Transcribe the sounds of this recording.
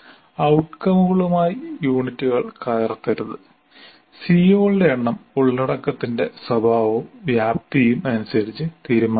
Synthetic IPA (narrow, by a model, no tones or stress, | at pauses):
ɐwʈkɐmuɣɐɭumaːjijuːɳitːuɣɐɭkaːjɐrt̪ːɐɾuðɨ | siːoːldeɐɳːɐmuɭːɐɽɐkːɐt̪ːinde̞sɐbʱaːʋoʋjaːp̚t̪ijumɐnusɐɾit͡ɕːɨt̪iːɾumaː